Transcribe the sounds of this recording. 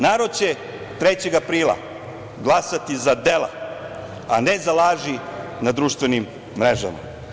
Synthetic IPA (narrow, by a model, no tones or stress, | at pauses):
naːɾod̪̚t͡ɕe | t̪ɾet͡ɕe̞ɡapɾiːlˠa̰ | ɡlˠasat̪izad̪elˠa̰ | anezalaːʒinad̪ɾuːʃt̪ve̞nimː | ɾeʒa̰ma̰